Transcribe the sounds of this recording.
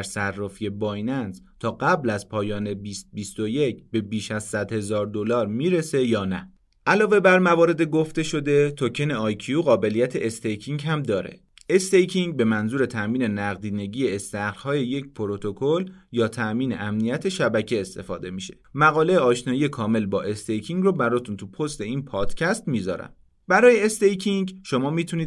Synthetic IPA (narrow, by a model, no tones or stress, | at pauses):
ɾsærːɒːfije̞bɒːjnænz | t̪ʰɒːɢæblæzpʰɒːjɒːne̞bist̪̚bist̪o̞je̞cʰbe̞biːʃæz̥sæd̪he̞zɒːɾd̪olɒːɾmiːɾe̞se̞jɒːnæ | ʔælɒːve̞bæɾmævɒːɾe̞d̪eɡo̞ft̪e̞ʃo̞d̪e̞t̪ʰocʰene̞ɒːjcʰiuɣɒːbe̞lijæt̪ʰe̞ʔːst̪ejkʰiŋɡɦæmd̪ɒːɾe̞̰ | est̪ejcʰiŋɟbe̞mænzuːɾe̞t̪ʰæʔmiːne̞næɣd̪iːne̞ɟiːjeːst̪æhɾhɒːje̞je̞cpʰoɾot̪ʰokʰoljɒːt̪ʰæʔmiːne̞̰ʔæmnijæt̪ʰe̞ʃæbæcʰeːst̪e̞̰fɒ̰ːd̪e̞miʃe̞̥mæɣɒːle̞jeɒːʃnɒːjiːje̞kʰɒːme̞lbɒːʔe̞st̪ejcʰiŋɡrɔːbæɾɒːt̪ʰunt̪ʰupʰo̞st̪e̞iːnpʰɒːd̪̥cʰæst̪miːzɒ̰ːɾæ̰m | bæɾɒːjeːst̪ejcʰiŋɡʃo̞mɒːmiːt̪ʰuniː